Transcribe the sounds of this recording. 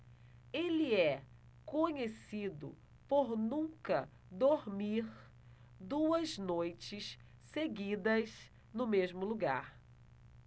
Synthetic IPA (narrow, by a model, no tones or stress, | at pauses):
elɪɛ | kõɲesid̪ʊ̰ | poɾnũkɐ | d̪oɾmiɾ | d̪uɐznojt͡ʃɪs | seɡid̪ɐs | nʊmezmʊluɡaɾ